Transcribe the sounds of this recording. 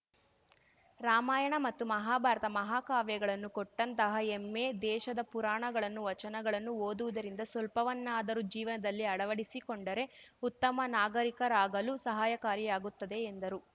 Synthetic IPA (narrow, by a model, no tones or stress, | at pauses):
ɾaːmaːjɐɳɐmɐt̪ːumɐɦaːbʱaːɾɐt̪ɐmɐɦaːkaːʋjɐɡɐɭɐnːukɔʈːɐnt̪ɐɦɐemːe̞d̪ɛːʃɐd̪ɐpuɾaːɳɐɡɐɭɐnːuʋɐt͡ʃɐnɐɡɐɭɐnːuoːd̪uʋud̪ɐɾind̪ɐsɐlpɐʋɐnːaːd̪ɐɾud͡ʒiːʋɐnɐd̪ɐlːiɐɽɐʋɐɽisikoɳɖɐɾe̞ut̪ːɐmɐnaːɡɐɾikɐɾaːɡɐlusɐɦaːjɐkaːɾjijaːɡut̪ːɐd̪e̞ːnd̪ɐɾu